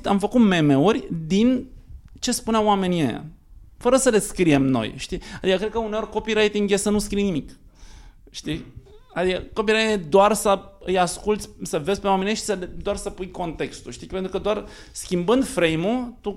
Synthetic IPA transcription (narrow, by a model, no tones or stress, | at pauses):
amfəkut̪me̞me̞urʲd̪int͡ʃe̞spuneawame̞niḛja̰ | fəɾəsəle̞skɾie̞mno̞̰jʃt̪iad̪ikəkɾekəuneo̞rʲko̞piɾajt̪iŋɡjesənuskɾijnimik | ʃt̪iad̪ikəko̞p̬iɾajt̪id̪oarsəɨjaskult̪sʲsəve̞zʲpewamenjeʃʲsəled̪oarsəpujko̞nt̪e̞kst̪uʃt̪ipe̞nt̪ɾukəd̪oar | skʲimbɨnd̪fɾe̞jmut̪u